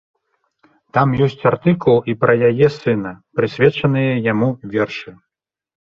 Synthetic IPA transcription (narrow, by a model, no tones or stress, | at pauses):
t̪amjɔsʲt͡sʲart̪ɨkulˠipɾɐjajɛsɨn̪ɐpɾɨsʲvʲɛt͡ʂɐnɨjɐjamuvʲɛrʂɨ